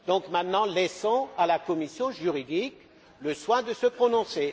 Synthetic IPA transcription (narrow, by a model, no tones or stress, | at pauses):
d̪ɔ̃kmɛ̃t̪nɑ̃lɛsɔ̃alakɔmisjɔ̃ʒyʁid̪ik | ləswɛ̃d̪əsəpχɔnɔ̃se